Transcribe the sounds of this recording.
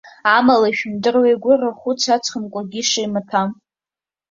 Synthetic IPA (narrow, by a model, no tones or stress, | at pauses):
amalaʃᶣmdɨrwejɡʷʊraχʷʊt͡sʷʰat͡sʰʼχəmkʷʼaɡʲiʂajmatʰam